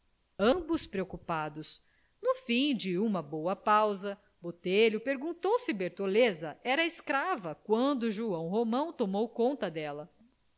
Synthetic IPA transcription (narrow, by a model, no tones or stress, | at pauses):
ɐ̃mbʊspɾeokupad̪ʊs | nʊfĩd͡ʒɪũmɐbowɐpawzɐ | bot̪eʎʊpeɾɡũnt̪owsɪbeɾt̪olezɐʔɛɾɐɪskɾavɐkwɐ̃d̪ʊʒuɐ̃w̃ɦomɐ̃w̃t̪omowkõnt̪ɐd̪ɛlɐ